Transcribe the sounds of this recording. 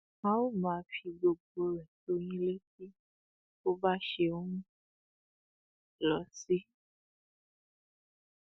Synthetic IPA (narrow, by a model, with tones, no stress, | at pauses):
ã˦o˦˨mãː˨˧fi˧ɡ͡bo˨ɡ͡bo˧˦ɾɛ˨t̪o˦nĩ˦le˦ki˦ | o˦ba˦ʃe˧o˦ɾũ˦ | lɔ˨˦si˦